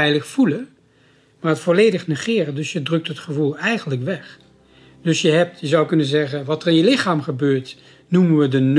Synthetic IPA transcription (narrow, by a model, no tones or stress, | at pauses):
ɛjləχfulə | maːɹətfɔlejdəχnəχɪːrədɵsjədrɵk̚tətχəvulˠɛjχənləkʋɛχ | d̥ɵsjəɦɛp̚tjəzʌwkɵnənzɛχənʋɑtərɪnjəlɪχaːmχəbøːɹt | numənʋədən